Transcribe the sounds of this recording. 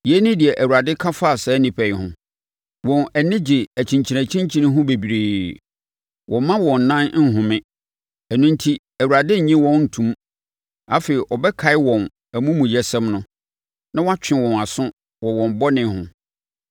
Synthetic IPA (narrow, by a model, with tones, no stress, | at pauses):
je˨˦nĩ˦dɪ˨ɛ˨ʔæ˨wu˨ɾa˨dɪ˦kʰa˦fa˦˨sɛ˨˦nɪ̃˨pʰɛ˨hʊ̰̃˨ | wɔ̃˨nɛ˨nɪ̃˦d͡ʑɪ˨æ˨t͡ɕʰĩ˨ɲt͡ɕʰi˨ɾæ̃˨t͡ɕʰĩ˦ɲ˦t͡ɕʰĩ˦nɪ̃˦ɦʊ̃˦be˨bi˨ɾeː˨ | wʔɔ̃˨˦mã˦wɔ̃˨n˨nã˦n˦n̩˦ɦʊ̃˨mɪ̃˦ | æ˨nũ˦n˦tʰi˦ | æ˨wu˨ɾa˨dɪ˦ɲ̩˨ɲĩ˦wɔ̃˦n˦n̩˨tʰũ˨m | a˦fe˨ɾi˨ʔɔ˨bɛ˦kʰa˨ɪ˦wɔ̃˨n | æ˨mũ˦mũ˨jɛ˨sɛ̃˦mnʊ̃˦ | nã˦wɔ̃˦a˦t͡ɕᶣɪ̃˨wɔ̃˨na˨sʊ̃˦ | wɔ˨wɔ̃˨m˨bɔ˦nɪ̃˨hʊ̰̃˨